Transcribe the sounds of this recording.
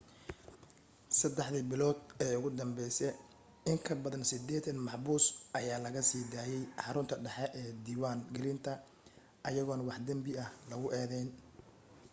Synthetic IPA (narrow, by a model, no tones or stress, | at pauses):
sɐd̪ɛħðɪbɪlɔːd̪ɛːʊɣʊd̪ɐmbɛjsɛ | ɪŋkʰɐbɐðɐnsɪd̪ɛːt̪ʰɐnmɑħbuːsʔɐjaːlɐɣɐsiːd̪aːjɛjħɑɾʊnt̪ʰɐɖɑħɛʔɛːd̪iːwaːŋɡɛlɪnt̪ʰɐ | ʔɐjɐɣɔːnwɑħd̪ɐmbɪɐhlɐɣʊʔɛːðɛːn